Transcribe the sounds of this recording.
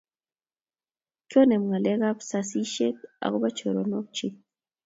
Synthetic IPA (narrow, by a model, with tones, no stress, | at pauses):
kɔ˦nɛ˨m˨ŋa˨lɛ˦ɣa˦psa˦si˦ʃe˦ka̰˨kɔ˦ba˦t͡ʃo˨ɾo˨nɔ˦k̚t͡ʃi˦